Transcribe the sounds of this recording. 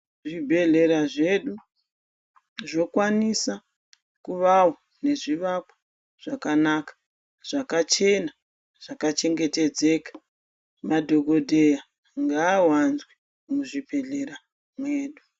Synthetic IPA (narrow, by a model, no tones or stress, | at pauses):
ʐibʱe̞ɮe̞ɾaʐe̞ɗu | ʐo̞kwanisa | kuʋawo | ne̞ʐiʋakwḁ | ʐ̥akanaːkḁ | ʐ̥akat͡ʃe̞na | ʐ̥akat͡ʃe̞ŋɡe̞te̞d͡ze̞kḁ | madʱo̞ɡʱo̞dʱe̞ja | ŋɡaːwanzwi | muʐibʱe̞ɮe̞ɾa | mwe̞ːɗu